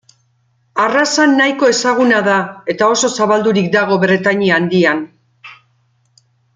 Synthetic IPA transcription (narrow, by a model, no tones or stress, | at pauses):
arasanːajko̞e̞saɣ̞unaðae̞t̪ao̞so̞saβald̪uɾik̚d̪aɣ̞o̞βɾe̞t̪aɲiand̪ian